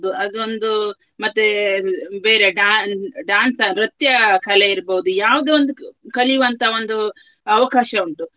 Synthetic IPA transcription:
d̪uɐd̪ond̪u | mɐt̪ːu | beːɾe̞ɖaːɖaːnsɐɾɐt̪jɐkʰɐleiɾbɐɦud̪ujaːʋɐd̪eond̪ukɐlijuʋɐnt̪ɐo̞nd̪u | ɐʋɐkaːʃɐuɳʈu

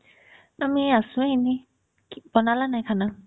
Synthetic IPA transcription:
amiasuaini | bɔnalanajkʰana

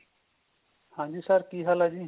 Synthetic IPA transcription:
hãːɲd͡ʑisaɾkiːɦalad͡ʑi

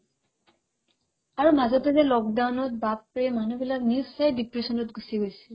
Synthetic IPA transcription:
aɹumazɔtɛzɛlɔk̚dawnɔt̚bapːɹɛmanubilak̚niʊsːajdipɹesɔnɔtɡusiɡojsil

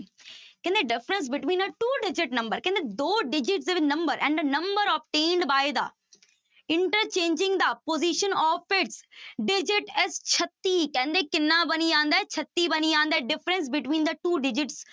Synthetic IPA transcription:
kɛ̃nd̪eɖɪfɾə̃ns̬bɪʈwĩːnɐʈuːɖɪd͡ʒɪʈnɐ̃mbəɾkɛ̃ːnd̪ed̪oːɖɪd͡ʒɪʈsʋɪnɐ̃mbəɾʔɛ̃ɳɖnɐ̃mbəɾɔːp̚ʈẽːɳɖbaːɪd̪a̰ | ɪ̃ɳʈəɾt͡ʃẽːɲd͡ʒɪ̃ŋɡd̪apoːziʃə̃nɔːfɪʈsɖɪd͡ʒɪʈɛst͡ʃʰɐt̪ikɐ̃nd̪ekɪnabɐniãːnd̪aːt͡ɕʰɐt̪ːibɐniãːnd̪aːɪɖɪfɾə̃ns̬bɪʈwĩːnd̪ɐʈuːɖɪd͡ʑɪʈs

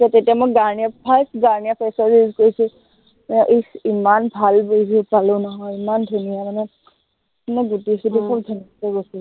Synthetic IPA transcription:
zɔtetiamɔjɡaɹnijapʰastɡaɹnijapʰɛsɔzizkoɹisʊ̃ | ʔisimanbʱalbezupalʊnɔɦɔjimandʱunijamanɛ | nɔɡutisutusʰɔbdʱunɔɡɔsi

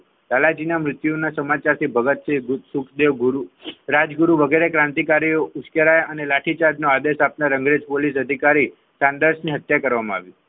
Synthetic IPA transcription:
t̪alad͡ʒinamɾɪt̪junasəmat͡ʃaɾt̪ʰibʱəɡət̪ʃeɡsukʰd̪eʋɡuɾuɾad͡ʒɡuɾuʋəɡeɾekɾãnt̪ikaɾioʊskeɾajənelaʈʰit͡ʃad̪noad̪eʃapnaɾəŋɡɾed͡ʒpolis̬əd̪ʱikaɾi | sãnd̪əɾʃniɦət̪jakəɾʋamãa̰ʋi

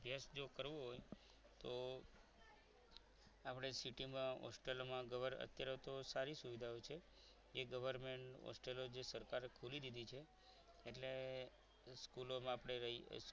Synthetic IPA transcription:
bʱjasd͡ʒokəɾʋoɦoj | t̪o | apɽ̃esiʈimãɔ̰sʈəlmãɡəʋəɾə̰t̪jaɾət̪osaɾisuʋid̪ʱaot͡ʃʰe | d͡ʒeɡəʋəɾmeɳʈɔ̰sʈəlod͡ʒesəɾkaɾkʰulid̪id̪ʱit͡ʃʰeː | ʈle | skulomãapɽ̃eɾəi

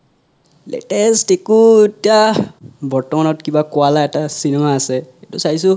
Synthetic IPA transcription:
lɛ̰tɛstekuetiabɔɹtɔmanɔtkibakʊalaɛtasinɛmaːsɛxetusajs̬ʊ

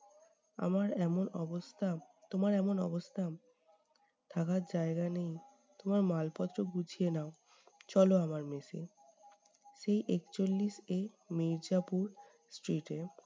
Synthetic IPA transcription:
a̰maɾɛmonɔbost̪ʰa | t̪omaɾɛmonɔ̰bost̪ʰa | t̪ʰakaɾd͡ʑaeɡanej | t̪omaɾmalpɔt̪ːɾobud͡ʑʱienao | t͡ɕɔloamaɾmeʃḛ | ʃejʔekt͡ɕolːiʃe | miɾd͡ʑapuɾ | sʈɾiʈe

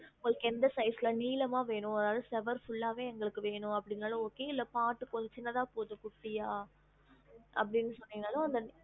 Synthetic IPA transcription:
ʊŋɡɐɭɯkːɯɛnd̪ɐsɐɪsɪlɐniːlɐmaːʋeːɳʊ̃ɐðaːʋðɯsɛʋɐɾfʊɭːaːʋeːɛŋɡɐɭɯkːɯʋeːɳʊ̃ɐpːɐɽɪnːaːlɐ̃oːkeːɪlːɐpaːʈːɯkːɔnɯt͡ʃːɪnːɐt̪ãːpoːðɯkʊʈːɪjaː | ʔɐp̬ːɐɽɪnːɯsɔnːɪŋnaːlʊ̃ɐnd̪ɐ

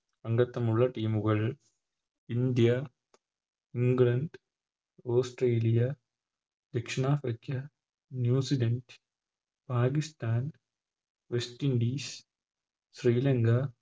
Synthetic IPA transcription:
ɐŋɡɐt̪ːɐmʊɭːɐʈiːmɯɣɐɭ | ɪnd̪ijaː | ɪŋɡlɐɳɖ | oːsʈɾeːlija | d̪ɐkʂnaːfɾikːɐ | njuːsilɐɳɖ | paːkɪst̪aːn | ʋɛsʈiɳɖiːs | sɾiːlɐŋɡaː

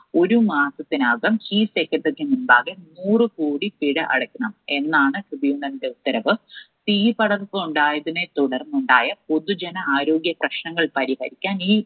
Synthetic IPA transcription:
o̞ɾumaːsɐt̪ːinaːɡɐmhiːsekʰːɐt̪ːekʲːɨnunbaːɣemuːrɨkoːɽipiɻɐʔɐ̰ɽɐkʲːɐɳɐme̞nːaːɳɨrubijunːɐðinde̞ut̪ːɐɾɐʋɨsiːpɐɽɐrkːɨuɳɖaːjɐðine̞t̪uɽɐrnuɳɖaːjɐpo̞ðud͡ʑenɐaːɾo̞ːɡjɐprɐɕɳɐŋːɐɭpɐɾihɐ̰ɾikʲːaːniː

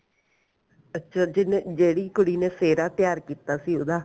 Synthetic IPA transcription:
ətːʃʰaːd͡ʒɪnd͡ʒeːɽiːkʊɽiːneːseːɾaːt̪jaːɾkiːt̪aːsiːʊd̪aː

